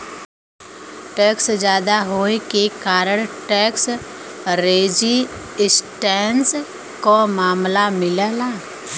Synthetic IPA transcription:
ʈɛːksd͡ʒjaːd̪aɦoːekekaːɾəɽ̃ʈɛːks | ɾeːd͡ʒi | ɪsʈɛːns | komaːmlamɪlalaː

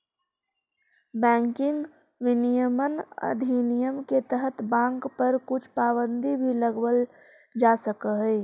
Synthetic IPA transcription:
bɛ̃ŋkɪŋɡ | ʋinijəmənə̰d̪ʱinijəmket̪əɦət̪bãŋkpəɾkʊt͡ʃʰpabənd̪ʱibʱiləɡbəl | d͡ʒasəkəɦə

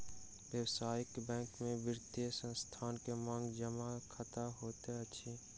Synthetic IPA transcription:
ʋjəwsaːjɪkbɛ̃ːŋkmẽʋɪɾt̪esə̃nst̪ʰaːnkemãːŋɡd͡ʒəmakʰət̪aɦoːt̪eɐʃʰiː

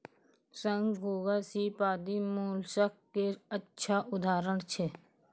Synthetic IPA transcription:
sə̃ŋɡɦoːɡasiːpaːd̪imuːlsəkkeətːʃʰaʔʊd̪ʱaːɾəɳ̃t͡ʃʰe

